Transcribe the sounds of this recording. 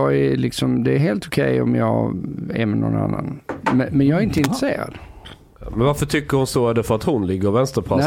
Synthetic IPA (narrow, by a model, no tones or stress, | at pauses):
ɑælɪksɔmd̪ɛːɾɦeːlt̪ʊkʰɛjɔmjɑːɡæɾmɛnɔ̰na̰nːanmɛmɛnjɑːɡɾɪnt̪əɪnt̪ɾəseːɾa̰d̪̥ | mɛnvaɾfəʈ̪ʰʏkːəɾhʊnsoːæd̪ɛfœɾat̪hʊnlɪɡːəɾɔvɛnst̪əɾp̪ʰa